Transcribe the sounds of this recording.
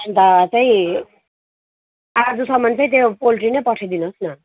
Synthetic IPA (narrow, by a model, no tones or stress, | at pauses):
ʌnt̪at͡saĩ | ad͡zusʌmʌnt͡sʌj̃t̪̬opolʈrinʌjpʌʈʰʌjd̪inosnʌ